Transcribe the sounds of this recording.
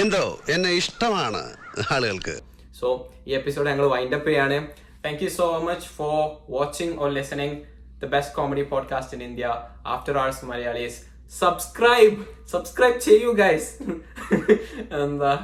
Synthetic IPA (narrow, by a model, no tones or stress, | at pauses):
end̪oːenːeiʂʈɐmaːɳɨ̰aːɭuɣɐɭkɨ̰ | soːiːepːɪsoːɖɲɐŋːɐɭʋɐɪɳɖɐpːejaːɳɨ | t̪ʰæ̃ːŋkjusoːmɐt͡ʃfɔɾʋɔːt͡ʃɪ̃ŋɡɔɾlɪsɐnɪ̃ŋ | d̪ɐbesʈkɔːmɐɖipɔːɖ̚kaːsʈɪ̃nĩnd̪ijaa̰ːfʈɐɾaːɭsmɐlɐjaːɭis | sɐbskɾaɪbsɐbskɾɐɪb̚t͡ʃejjuɡaɪs | end̪ɐ